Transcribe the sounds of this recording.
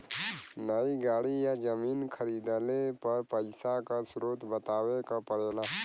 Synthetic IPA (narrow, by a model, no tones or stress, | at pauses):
nəiɡaːɽijad͡ʒəmiːnkʰəɾiːd̪alepɐɾpəɪsakasɾoːt̪bət̪aːwekapəɽeːlaː